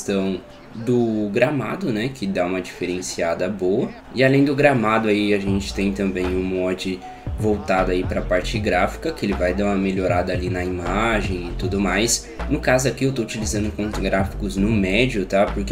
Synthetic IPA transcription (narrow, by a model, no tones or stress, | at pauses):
t̪ɐ̃w̃ | d̪ʊɡɾama̰d̪ʊnɛkɪd̪aũmɐd͡ʒifeɾẽsiad̪ɐbowɐ | ɪalẽj̃d̪ʊɡɾamad̪ʊaiaʒẽnt͡ʃɪ̥t̪ẽj̃t̪ɐ̃mbẽj̃ũmɐɔd͡ʒɪ | vowt̪ad̪aipɾɐpaɾt͡ʃɪɡɾafi̥kɐkɪelɪvajd̪aũmɐmeʎoɾad̪ɐːlinɐimaʒẽj̃ɪt̪ud̪ʊmajs | nʊkazʊakiewt̪out͡ʃilizɐ̃nd̪ʊkõt̪ɡɾafi̥kʊznʊmɛd͡ʒʊt̪apʊɾke